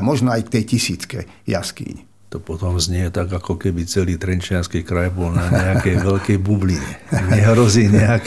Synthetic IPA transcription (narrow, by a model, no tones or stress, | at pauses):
mɔʒnɔajkt̪ɛjcisiːt͡skɛ̰ | ja̰skḭːɲi | t̪ɔpɔt̪ɔmzɲɪɛt̪aɡakɔkɛbit͡sɛliːt̪ɾɛnt͡ʃɪanskiːkɾajbɔlnaɲɛakɛjʋɛlkɛjbubliɲɛɲɛɦɾɔziːɲɛak